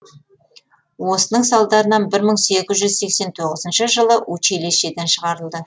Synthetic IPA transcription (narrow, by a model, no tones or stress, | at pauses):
wo̞sənəɴsɑlˠd̪ɑɾənɑnbɪɾməɴse̞kʲɪzʒʏzse̞kse̞nt̪ʰo̞ʁəzənʃəʒəlˠəʔwɵt͡ʃʰeleʃe̞d̪enʃəʁɑɾəlˠd̪ə